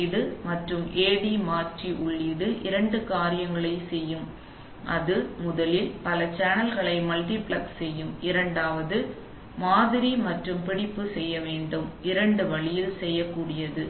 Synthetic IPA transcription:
ɪðɯmɐʈrɯmʔeːɽimaːʈriʔʊɭːiðɯʔɪɾɐɳɖɯkaːɾɪjɐŋɡɐɭɐɪsɛjːɯm | ʔɐðɯmʊðɐlɪlpɐlɐt͡ʃaːnɐlɣɐɭɐɪmɐlʈ̪ipɭɐksɛjːɯmɪɾɐɳɖaːʋɐðɯ | maːðɪɾimɐʈrɯmpɪɽɪpːɯsɛjːɐʋeːɳɖɯmɪɾɐɳɖɯʋɐɭɪjɪlsɛjːɐkːuːɽɪjɐðɯ

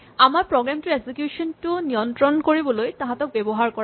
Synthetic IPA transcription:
amaɹpɹɔɡɹamtʊɹesikjusɔntʊnijɔntɹɔnkoɹibɔlojtãɦatɔk̚bɛbɔɦaɹkɔɹ

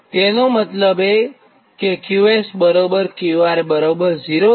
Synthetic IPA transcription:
t̪enomət̪ləbe | kekjuesbəɾobəɾkiʋaɾebəɾobəɾd͡ʒiɾo

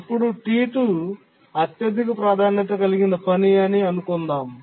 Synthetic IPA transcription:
pːuɽuʈiːʈu | ɐt̪jɐd̪ʱikupɾaːd̪ʱaːnɐt̪ɐkɐliɡind̪ɐpʰɐnijɐniɐnukund̪aːm

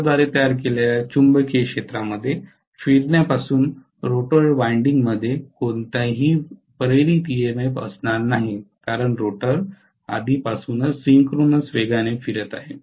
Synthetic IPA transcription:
d̪ʋaɾet̪əjaɾk̬eleljat͡ɕumbəkʰekʂet̪ɾaməd̪ʱːje | fiɾɳjapasuːn | ɾoʈəɾʋaiɳɖiŋɡməd̪ʱːjekoɳt̪aɦiːpəɾeɾit̪ijemepə̰snaɾnaɦikaɾəɳɾoʈəɾ | a̰d̪ʱipasuːnəsiŋkɾonəsʋeɡañefiɾət̪a̰ɦe

